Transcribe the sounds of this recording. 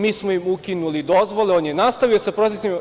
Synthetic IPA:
miːsmoimukinulid̪o̞zʋo̞leoːnjenast̪aʋijosepɾo̞t̪esim

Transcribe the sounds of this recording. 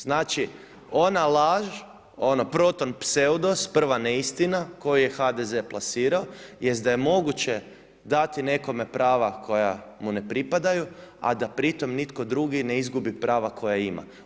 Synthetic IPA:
z̥naːt͡ʃi | o̞nalˠaʒ | o̞no̞pɾo̞t̪o̞npseud̪o̞spr̩ʋaneist̪inako̞jije̞xad̪eze̞plˠasiːɾaojesd̪aje̞mo̞ɡut͡ɕe̞ | d̪at̪ine̞ko̞me̞pɾaːʋakʰo̞ja̰mune̞pɾipad̪ajua̰d̪apɾit̪o̞mnit̪ko̞d̪ɾuɡine̞izɡubipɾaːʋakʰo̞jaima̰

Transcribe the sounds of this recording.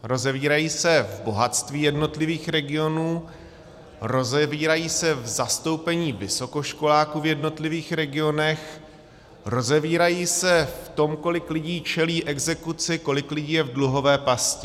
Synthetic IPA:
ɾo̞zɛviːɾajiːsɛvbo̞ɦat̪st̪viːjɛdno̞t̪lɪviːxɾɛɡɪo̞nuː | ɾo̞zɛviːɾajiːsɛvzast̪o̞wpɛɲiːvɪso̞ko̞ʃko̞laːkuːvjɛdno̞t̪lɪviːxɾɛɡɪo̞nɛx | ɾo̞zɛviːɾajiːsɛft̪o̞mko̞lɪklɪɟiːt͡ʃɛliːʔɛɡzɛkut͡sɪko̞lɪklɪɟiːjɛvdluɦo̞vɛːpascɪ

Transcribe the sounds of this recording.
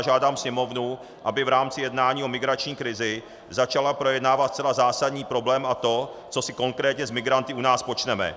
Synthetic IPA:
ʒaːdaːmsɲɛmo̞vnu | ʔabɪvɾaːmt͡sɪjɛdnaːɲiːo̞mɪɡɾat͡ʃɲiːkɾɪzɪ | zat͡ʃalapɾo̞jɛdnaːvat̪st͡sɛlazaːsadɲiːpɾo̞blɛːmʔat̪o̞t͡so̞sɪko̞ŋkɾɛːt̪ɲɛzmɪɡɾant̪ɪʔunaːspo̞t͡ʃnɛmɛ̰

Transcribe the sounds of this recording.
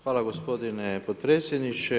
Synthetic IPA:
xʋaːlaɡospod̪inepod̪̚pɾeːt̪sjed̪nit͡ʃe

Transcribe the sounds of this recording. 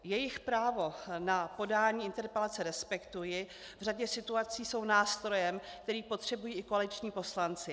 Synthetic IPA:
jɛjɪxpɾaːvo̞napo̞daːɲiːɪnt̪ɛɾpɛlat͡sɛɾɛspɛkt̪ujɪ | vraɟɛsɪt̪uat͡siːso̞wnaːst̪ɾo̞jɛmkt̪ɛɾiːpo̞t̪r̝̥ɛbujiːɪko̞alɪt͡ʃɲiːpo̞slant͡sɪ

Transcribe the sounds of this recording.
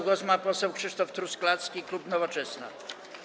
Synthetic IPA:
ɡɔzmapɔsɛwkʂɘʂt̪ɔft̪ɾusklat̪skʲiklupnɔvɔt͡ʂɛsna̰

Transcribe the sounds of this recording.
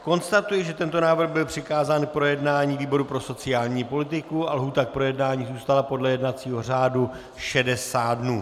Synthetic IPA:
ko̞nst̪at̪ujɪʒɛt̪ɛnt̪o̞naːvr̩ɣbɪlpr̝̥ɪkaːzaːnk̚pɾo̞jɛdnaːɲiːviːbo̞ɾupɾo̞so̞t͡sɪjaːlɲiːpo̞lɪt̪ɪkualɦuːt̪ak̚pɾo̞jɛdnaːɲiːzuːst̪alapo̞dlɛjɛdnat͡siːɦo̞r̝aːdu | ʃɛdɛsaːdnuː

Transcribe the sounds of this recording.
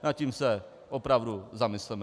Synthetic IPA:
nat̪̚cimsɛ | opɾavduzamɪslɛn

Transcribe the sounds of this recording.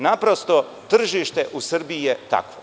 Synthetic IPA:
napɾo̞st̪o̞ | t̪r̩ʒiʃt̪e̞ʔusr̩biijet̪a̰kʋo

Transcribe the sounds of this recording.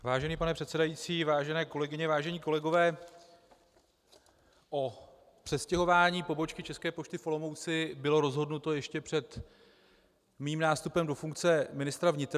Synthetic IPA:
vaːʒɛniːpanɛpr̥ɛt̪sɛdajiːt͡siːvaːʒɛnɛːko̞lɛɡɪɲɛvaːʒɛɲiːko̞lɛɡo̞vɛː | ʔo | pr̥ɛscɛɦo̞vaːɲiːpo̞bo̞t͡ʃkɪt͡ʃɛskɛːpo̞t͡ʃt̪ɪfo̞lo̞mo̞wt͡sɪbɪlo̞ɾo̞zɦo̞dnut̪o̞jɛʃcɛpr̝̥ɛt̪ | miːmnaːst̪upɛmdo̞fuŋkt͡sɛmɪnɪst̪ɾavɲɪt̪ɾ

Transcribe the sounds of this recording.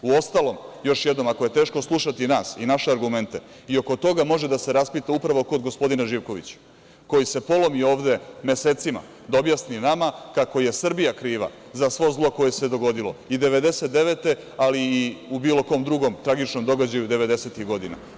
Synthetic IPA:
uo̞st̪alo̞mjo̞ʃjed̪no̞makoje̞t̪e̞ːʃko̞slˠuʃat̪inaːsinaʃeaɾɡume̞nt̪e̞ | io̞ko̞t̪o̞ɡamo̞ʒed̪ase̞ɾaspit̪aupɾaʋo̞ko̞d̪ɡo̞spo̞d̪inaʒiːʋko̞ʋḭt͡ɕ | ko̞jise̞po̞lo̞mio̞ːʋd̪e̞meseːt̪sima̰ | d̪o̞bjasninamakako̞je̞sr̩bijakɾiːʋa̰ | zasʋo̞zlˠo̞ko̞jese̞d̪o̞ɡo̞d̪ilo̞id̪eʋe̞d̪e̞set̪̚d̪e̞ʋet̪e̞ | aliːubiːlo̞ko̞ːmd̪ɾuɡo̞mt̪ɾaɡit͡ʃno̞md̪o̞ɡad͡ʑajud̪e̞ʋe̞d̪e̞se̞ːt̪ixɡo̞d̪ina̰

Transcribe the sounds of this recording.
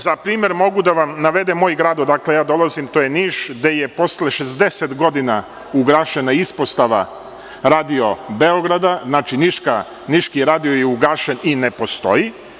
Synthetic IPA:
zapɾiːmje̞ɾmo̞ɡud̪aʋamnaʋe̞d̪emo̞ːjɡɾaːd̪od̪akle̞jaːd̪o̞lˠazimt̪oːjeniːʃd̪e̞je̞po̞sle̞ʃezd̪e̞set̪ɡo̞d̪ina | uɡɾaːʃe̞naispo̞st̪aʋa̰ | ɾaːd̪io̞be̞o̞ɡɾad̪aznaːt͡ʃiniʃka | niʃkiɾaːd̪iojeuɡaːʃe̞ninepo̞st̪o̞̰ji

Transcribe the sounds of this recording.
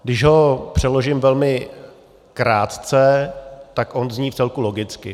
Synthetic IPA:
ɡdɪʒɦo̞pr̝̥ɛlo̞ʒɪmvɛlmɪ | kɾaːt̪t͡sɛt̪akʔonzɲiːft͡sɛlkulo̞ɡɪt͡skɪ

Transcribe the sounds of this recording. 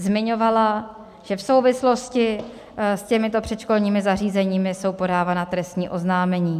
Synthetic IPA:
zmɪɲo̞vala | ʒ̥ɛfso̞wvɪslo̞scɪ | scɛmɪt̪o̞pr̝̥ɛt̪ʃko̞lɲiːmɪzariːzɛɲiːmɪso̞wpo̞daːvaːnat̪ɾɛst̪ɲiːʔo̞znaːmɛɲiː

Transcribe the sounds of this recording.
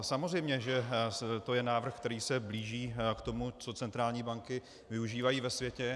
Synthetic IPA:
samozɛjmɲɛʒɛt̪o̞jɛnaːvr̩xkt̪ɛɾiːsɛbliːʒiːkt̪o̞mut͡so̞t͡sɛnt̪ɾaːlɲiːbaŋkɪ | vɪuʒiːvajiːvɛsvjɛcɛ

